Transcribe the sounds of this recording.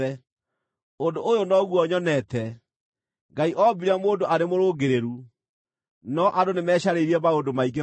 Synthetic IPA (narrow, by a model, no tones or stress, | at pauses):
ɛ | ondoʔojonɔɣuɔɲɔnɛtɛ | ɡaiʔɔbiɾɛmoːndoʔaɾemoɾoːɡeɾeɾu | nɔʔadonemɛːɕaɾeiɾiɛbaondomaiɡe